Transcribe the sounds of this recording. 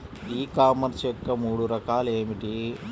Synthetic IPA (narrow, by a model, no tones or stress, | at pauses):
iːkaːmɐnsjɔkːɐmuːɽuɾɐkaːleːmiʈi